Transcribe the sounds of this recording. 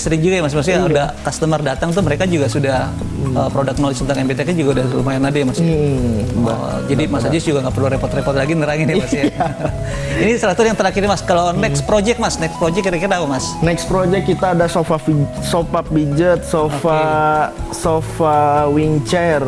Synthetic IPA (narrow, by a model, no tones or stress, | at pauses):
sɾiŋd͡ʒuɡajamasmas̬jaudahkast̪əmərdat̪aŋt̪uməɾekad͡ʒuɡasudah | əpɾodaknɔlɔd͡ʒt̪ənt̪aŋɛmbet̪ekad͡ʒuɡaudahlumajanadajamas | ba̰d͡ʒadimasad͡ʒusd͡ʒuɡaŋɡaʔpərluaɾepɔrt̪repɔrt̪laɡinəɾaŋɪnmasa | inisəɾat̪ujaŋt̪əɾakiɾimaskalanɛkspɾod͡ʒɛk̚masnɛkspɾod͡ʒɛkːiɾakiɾaapamasnɛkspɾod͡ʒɛkːit̪aːdasofafi | sopap̚bid͡ʒət̪̚sofa | sofawiŋt͡ʃɛr